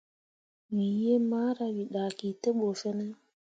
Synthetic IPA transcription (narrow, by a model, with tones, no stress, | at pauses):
wi˨je˦maː˦ɾa˨wi˨ɗa˨ki˨te˦ɓo˨fe˦ne˦